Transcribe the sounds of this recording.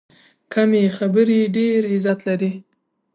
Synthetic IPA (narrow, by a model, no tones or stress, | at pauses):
kʰamexabəɾiɖeɾɪzat̪laɾi